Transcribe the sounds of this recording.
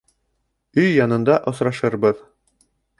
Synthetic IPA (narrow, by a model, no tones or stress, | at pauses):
ɵjːɑnɤ̆nd̪ɑʔŏsɾɑʃɤɾbɤð